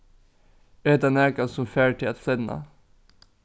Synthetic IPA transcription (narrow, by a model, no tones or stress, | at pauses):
øːd̪ɑnæːkɑsɔmfæːʈʰɪɑt̪sɛnnɑ̰